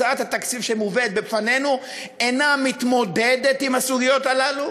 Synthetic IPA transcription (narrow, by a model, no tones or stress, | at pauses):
at̪hat̪akt͡sifʃemuved̪̚befane̞nu | enamit̪mo̞d̪ed̪e̞t̪imhasuɡijo̞t̪alalu